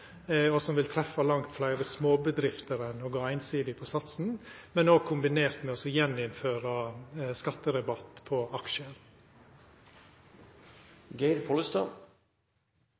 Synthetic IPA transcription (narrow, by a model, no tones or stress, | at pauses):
ɔsɔmʋɪlt̪ʰɾɛfːɑlɑŋt̪flæɪɾəsmoːbəd̪ɾɪft̪əɾənoːɡɑːæɪnsiːd̪ɪpʰɔsɑt̪sn̩mɛnoːɡ̚kʰʊmbɪneːɾt̪mɛɔsɔjɛnɪnføːɾɑskɑt̪ːəɾɛbɑt̪pʰɔɑkʃəɾ | ɡɛɪɾpʰoləst̪ɑ̰